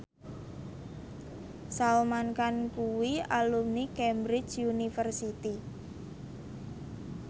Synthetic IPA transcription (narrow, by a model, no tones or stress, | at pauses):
salmankankuwialumnikɛmbɾɪ̥t͡ʃunifərsit̪i